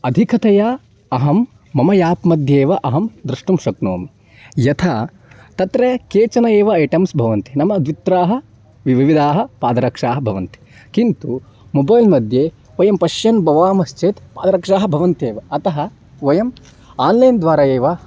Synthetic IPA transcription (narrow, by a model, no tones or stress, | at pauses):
ɐd̪ʱikʰɐt̪ɐja | ɐɦɐmː | ɐmɐjaːpmɐd̪ʱjeːʋɐʔɐɦɐmd̪ɾɐʂʈumʃɐkno̰ːm | jɐt̪ʰaː | t̪ɐt̪ɾekeːt͡ʃɐnɐeːʋɐɐjʈɐmsbʱɐʋɐnt̪i̥nɐmɐd̪ʋit̪ɾaːɦɐ̆ | ʋiʋiʋid̪ʱaːɦɐ̆paːd̪ɐɾɐkʂaːɦɐbʱɐʋɐnt̪i̥ | kint̪u | mobɐjlmɐd̪ʱjeː | ʋɐjɐmpɐʃjɐnbɐʋaːmɐst͡ʃeːt̪paːd̪ɐɾɐkʂaːɦɐbʱɐʋɐnt̪eːʋɐɐt̪ɐɦɐ | ʋɐjɐm | aːnlɐjnd̪ʋaːɾɐjeːʋɐ